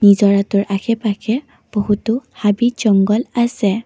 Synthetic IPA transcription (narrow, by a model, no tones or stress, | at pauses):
nizɔɹatʊɹʔakʰɛpakʰɛ | b̥oɦutʊhabid͡ʒɔŋɡɔlasɛ